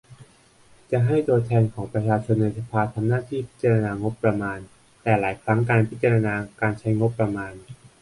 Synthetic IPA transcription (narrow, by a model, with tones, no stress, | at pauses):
t͡ɕa˨˩ɦa˥˩jt̪u˧ɐt̪ʰɛː˧nkʰɔː˩˦ŋpɾa˧t͡ɕʰaː˧t͡ɕʰo˧nːa˧jsa˧pʰaː˧t̪ʰa˧mnaː˥˩t̪ʰiː˥˩pʰi˦˥t̪̚t͡ɕa˧ɾa˧naː˧ŋo˦˥pːɾa˧maː˧n | t̪ɛː˨˩laː˩˦jkʰɾa˦˥ŋkaː˧npʰi˦˥t̪̚t͡ɕa˧ɾa˧naː˧kaː˧nt͡ɕʰa˦˥jŋo˦˥pːɾa˧maː˧n